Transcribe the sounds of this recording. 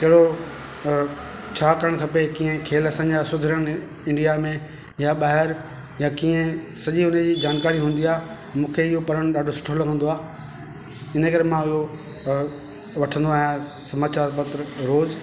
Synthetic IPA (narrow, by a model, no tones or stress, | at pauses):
kɐɦɪɽo | t͡ɕʰaːkɐɾəɽ̃kʰɐpekĩːẽkʰeːlɐsãːɲd͡ʑasʊd̪ʱɪɾjəɽ̃ | ɪ̃ɳɖijamẽ | jaɓaːɦɪɾ | jakiːẽsɐʄiʊnəd͡ʑiːd͡ʑaːnkaːɾiɦũːn̆d̪iaːɦ | mũːkʰeɪɦopɐɾəɽ̃ɗaːɖʱosʊ̥ʈʰolɐɡʱə̃nd̪oaː | ɪnəkɐɾemãɪɦo | ʋɐʈʰə̃nd̪oaːɦijã | sɐmaːt͡ɕaːɾpɐt̪ɾəɾoːz